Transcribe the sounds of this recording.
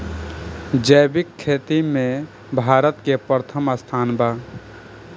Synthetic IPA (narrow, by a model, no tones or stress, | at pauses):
d͡ʒəjbɪkʰːeːt̪imẽ | bʱaːɾət̪kepɾət̪ʰəməst̪ʰaːnbaː